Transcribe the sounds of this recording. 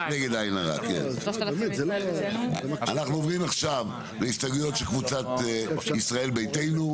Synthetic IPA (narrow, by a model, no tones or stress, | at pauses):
neɡe̞d̪ajnaʁa̰kḛnmezelo | anaχnuovʁimaχʃav | leistaɡujo̞t̪ʃelkvut͡sat̪isʁae̞lbe̞jte̞jnu